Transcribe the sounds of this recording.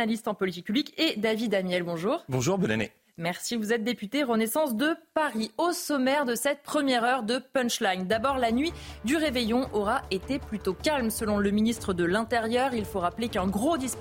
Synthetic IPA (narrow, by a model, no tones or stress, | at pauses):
alist̪ɑ̃pɔlit̪ik̚pyblikʲed̪avid̪amjɛlbɔ̃ʒuːʁbɔ̃ʒuʁbɔna̰nḛ | mɛʁsivuzɛt̪̚d̪epyt̪eʁənesɑ̃sd̪əpaʁiosɔmɛʁd̪əsɛt̪̚pχəmjɛʁœʁd̪əpɛ̃nʃlaɲd̪abɔʁlanɥid̪yʁevejɔ̃ʔɔʁaet̪eplyt̪okalmsəlɔ̃ləminist̪χəd̪əlɛ̃t̪eʁjœʁilfoʁaplekɛ̃ɡʁod̪is